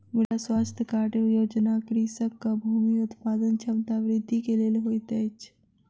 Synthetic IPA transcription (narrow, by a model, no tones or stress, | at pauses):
milasʋast̪ʰjəkaʈejoːd͡ʒnakɾisəkːəbʱumiut̪pad̪ənt͡ʃʰɐmt̪aʋɾɪd̪ʱːikeleleɦojt̪ɛt͡ʃ